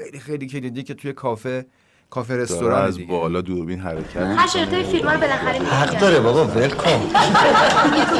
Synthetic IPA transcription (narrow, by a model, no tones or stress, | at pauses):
xejlixejlicʰelid̪icʰet̪ʰujekʰɒːfe | kʰɒːfeɾe̞st̪oɾɒæzbɒːlɒːd̪uɾbinɦæɾecʰæt̪æʃeɾʰɑjifilmɒːɾobelænχæɾimhæɡd̪ɒːɾebɒbɒvelkʰom